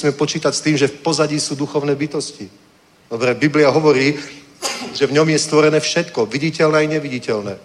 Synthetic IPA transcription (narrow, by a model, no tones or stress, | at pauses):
smɛpɔt͡ʃiːt̪acst̪iːmʒɛfpɔzaɟiːsuːd̪uxɔʊnɛːbit̪ɔsci | d̪ɔbɾɛbibliaɦɔʋɔɾiː | ʒɛvɲɔmjɛst̪ʋɔɾɛnɛːfʃɛt̪kɔʋiɟicɛlnɛːajɲɛʋiɟicɛlnɛː